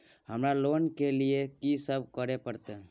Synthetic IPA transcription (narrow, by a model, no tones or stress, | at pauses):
həmɾaloːnkeliekisəb̚ʱkəɾepəɾt̪e